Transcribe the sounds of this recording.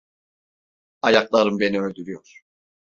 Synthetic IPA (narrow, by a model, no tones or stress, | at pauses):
ajaklˠaɾɯmbe̞niølʲd̪yɾyjoɾ̥